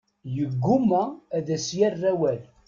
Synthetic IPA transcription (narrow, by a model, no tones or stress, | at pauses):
jəɡːʊmːææðæsjærːæwæl